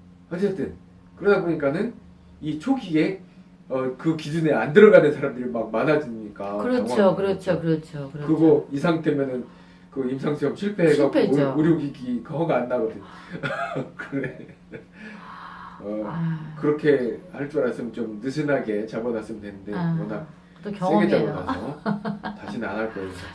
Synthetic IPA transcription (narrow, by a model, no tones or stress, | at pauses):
hʌt͡ɕ͈ʰetʰɯn | kɯɾʌdaboɲik͈anɯn | it͡ɕʰoɡie̞ | ʌkɯkid͡ʑuneandɯɾʌɡanɯnsʰaɾamdɯɾimak̚manad͡ʑimɲik͈aɯɾʌt͡ɕŋakɯɾʌt͡ɕʰokɯɾʌt͡ɕʰoɯkɯɡoisʰaŋt͈emjʌnɯn | kɯimsʰaŋsʰiʌmɕʰiɭpʰe̞ɡapʰeoɾjoɡiɡikʌŋʌŋanːaɡʌdɯn | kɯnde | ʌkɯɾʌkʰe̞haɭt͡ɕ͈ʌɾasʰɯmt͡ɕomnɯsʰɯnaɡe̞t͡ɕabʌnas͈ɯmndwe̞nɯnde̞mʌna | tksʰeɡet͡ɕ͈aɡokaʌtaɕʰinnanaɭk͈ʌisʰʌ